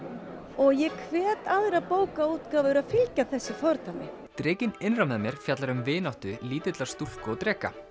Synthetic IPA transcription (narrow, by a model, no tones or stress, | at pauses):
ɔɣjɛkʰvɛːt̪aðɾaðpoːwkauːt̪kaːvʏʏɾaðfɪlcaθɛsːɪfɔɾt̪amɪ̰ | t̪ɾɪːcɪnɪnrawmðamjɛɾ̥fjat̪laɾʏmvɪːnawht̪ʏliːt̪ʏt̪lḁst̪ufkɔt̪ɾɛːka̰